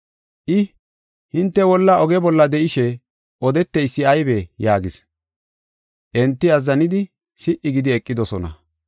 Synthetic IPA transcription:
ʔɪ | hɪnt̪ːɛwɔlːɐʔɔɡɛbɔlːɐd̪ɛʔɪʃɛ | ʔɔd̪ɛt̪ːɛjsːɪɐjbɛjaːɡɪs | ʔɛnt̪ːɪɐzːɐnɪd̪ɪ | sɪʔɪɡɪd̪ɪɛkʼːɪd̪ɔsɔnɐ̰

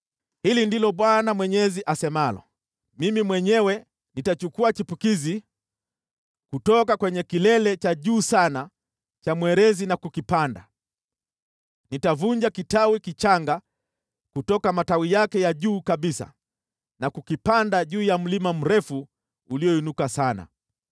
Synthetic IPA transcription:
hilindilɔɓwanamwɛɲɛziʔasɛmalɔ̰ | mimimwɛɲɛwɛ | nitat͡ʃukuat͡ʃipukizi | kutɔkakwɛɲɛkilɛlɛt͡ʃaʄuːsana | t͡ʃamwɛɾɛzinakukipanda | nitavuɲd͡ʒakitawikit͡ʃaŋɡa | kutɔkamatawijakɛjaʄuːkaɓisa̰ | nakukipandaʄuːjam̩limam̩ɾɛfu | uliɔinukasana̰

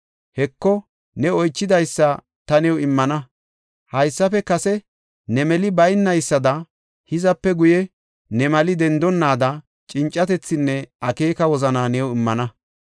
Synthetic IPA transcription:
hɛkːɔ | nɛɔjt͡ʃːɪd̪ɐjsːɐ | t̪ɐnɛwɪmːɐnɐ | hɐjsːɐfɛkɐsɛ | nɛmɛlɪbɐjnːɐjsːɐd̪ɐ | hɪzɐpːɛɡʊjɛ | nɛmɐlɪd̪ɛnd̪ɔnːaːd̪ɐ | t͡ʃʼɪnt͡ʃʼːɐt̪ɛt͡sːɪnːɛʔɐke̞ːkɐwɔzɐnanɛwɪmːɐnɐ

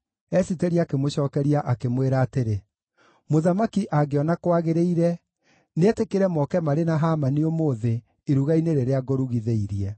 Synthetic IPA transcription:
ɛsitɛɾiakemoɕɔːkɛɾiaʔakemweɾaːteɾe | moðamakiʔaɡeɔnakwaɣeɾeiɾɛ | neɛtekeɾɛmɔkɛmaɾenaɦaːmaniomoːðeː | ɾuɣaineɾeɾeaɡɔɾuɣiðeiɾiɛ

